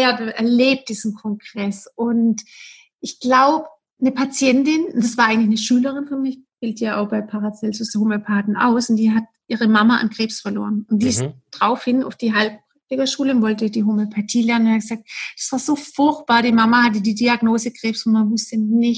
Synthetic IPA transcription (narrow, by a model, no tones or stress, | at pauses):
adaʔɛɐleːp̚td̥iːz̥n̩kʰɔŋɡ̥ʁɛsʔʊnt | ʔɪçɡ̥laʊbə | nəpʰat͡sjɛntɪnʊnd̥asv̥aːɐʔaɪŋ̩lɪçnəʃyːləʁɪnfɔmɪçb̥ɪltəjaːʔaʊxb̥aɪpʰaʁat͡sɛlsʊsdəhomeopʰaːdn̩ʔa̰ʊsʊntd̥iːɦatʔiːʁəmamaʔa̰nɡʁ̥eːpsfɛɐlo̰ːʁənʊntd̥iːɪstd̥ʁaʊfhɪna̰ʊfd̥iːɦalp̚pʁ̥aktɪɡəʃuːləʊntvɔltədiːɦomeopʰatʰiːlɛɐnənʊnhat̚ɡ̥əzaːk̚t̚d̥ḁsv̥aːɐzoːfʊɐçt̚b̥aːɐdiːmamahat̬ədiːdiaɡnoːzəɡʁ̥eːpsʊntmanmʊstənɪç